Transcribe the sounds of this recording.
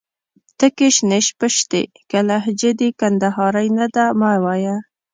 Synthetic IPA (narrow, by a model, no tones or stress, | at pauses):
t̪əkeʃneʃpəʃt̪ḛ | kalaɦd͡ʒed̪ikand̪aɦɑɾajnad̪amawaja